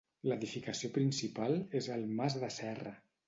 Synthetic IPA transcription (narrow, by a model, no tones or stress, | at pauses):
ləðifikəsiopɾinsipalˠezəlˠmazðəsɛrə̰